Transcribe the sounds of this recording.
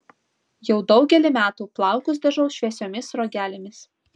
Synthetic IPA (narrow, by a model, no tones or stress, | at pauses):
jɛʊd̪ɒʊɡʲɛlʲɪmʲæːt̪uːplˠɑˑʊkʊs̬d̪ɐʒnɐʊʃʲʋʲɛsʲoːmʲɪsɾoːɡʲæːlʲɪmʲɪs